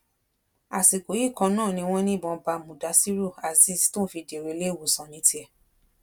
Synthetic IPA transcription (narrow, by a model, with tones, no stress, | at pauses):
a˨si˨ko˨˦i˦˨kɔ̃˧nãː˦˨nĩ˧w̃ɔ̃˦nĩ˦˨bɔ̃˧ba˧mũ˨da˨˧˦si˦ɾu˦˨a˨si˧˦si̥˦tũ˦fi˧de˨ɾe˧˦le˦˨wu˨sã˨nĩ˨˦ti˦ɛ˧˨